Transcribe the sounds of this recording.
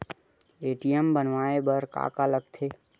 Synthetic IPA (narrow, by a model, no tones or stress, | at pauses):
eʈijəmbənʋaebəɾka̰kaləɡt̪ʰe